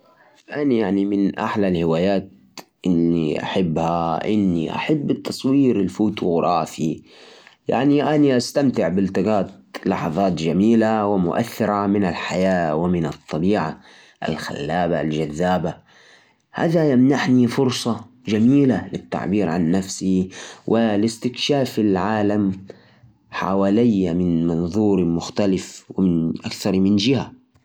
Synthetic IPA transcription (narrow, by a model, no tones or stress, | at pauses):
ʔanjaʕnimɪnʔa̰ħlalhɪwaːjaːt̪̚ | ʔɪnːḭʔa̰ħɪbːhaʔɪnːḭʔa̰ħabːɪt̪ʰːɑsˤwiːɾɪlfuːt̪ʊɣɾˤʔɑːfi | ja̰ʕniʔaniʔast̪amt̪ɪʕbɪlt̪ɑɡɑːt̪̚lɑ̰ħɑðˤɑːt̪d͡ʒamiːlawɪmʊ̰ʔa̰θːɪɾˤɑmɪnalħajaːwɪmɪnɨt̪ˤːɑbiːʕa̰ | ʔa̰lxa̰lːaːbald͡ʒaðːaːba | ha̰ːðajamnaħnifʊɾsˤɑ | d͡ʒamiːlalɪt̪ːa̰ʕbiːɾʕanːafsiwʔɪlɪst̪ɪkʃaːfɪlʕaːlam | ħa̰waːlɪjːamɪnmɑnðˤuːɾmʊxt̪alɪfwɪmɪnʔakθɑɾˤmɪnd͡ʒɪha